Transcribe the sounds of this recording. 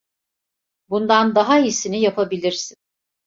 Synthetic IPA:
bund̪and̪aɦaisinijapʰabilʲiɾsin

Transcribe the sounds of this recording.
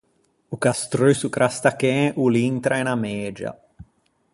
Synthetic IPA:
ukast̪ɾøsukɾʔast̪akɛ̃ːʔuliŋt̪ɾaɛnamɛːd͡ʒa̰

